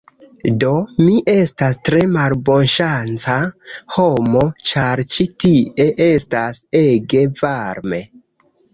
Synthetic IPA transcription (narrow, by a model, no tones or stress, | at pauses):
do̞miʔe̞stastɾe̞malbo̞nʃant͡saho̞mo̞t͡ʃaɾt͡ʃitie̞ʔe̞stase̞ɡe̞vaɾme̞